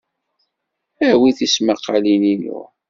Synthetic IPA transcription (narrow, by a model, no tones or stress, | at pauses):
æwiθismaqːalininṵ